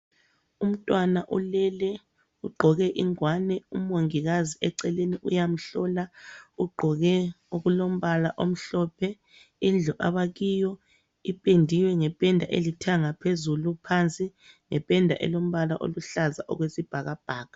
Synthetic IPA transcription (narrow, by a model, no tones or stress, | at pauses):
um̩tʼwanaʔulɛlɛ | uɡ͡ǃʱɔɣɛʔiŋwanɛumoŋiɣaziɛǀɛleniʔujam̩ɬɔlauɡ͡ǃʱɔɣɛ | uɣulom̩βalaʔom̩ɬɔpʰɛ | ind͡ɮʱɔʔaβaɣijɔ | ipʼendʱiwɛŋɛpʼɛndʱaʔelitʰaŋapʰezulupʰant͡sʼi | ŋɛpʼɛndʱa̰ʔɛ̰lom̩βalaʔo̰luɬazaʔɔ̰ɣwesib̥ʱaɣab̥ʱaːɣḁ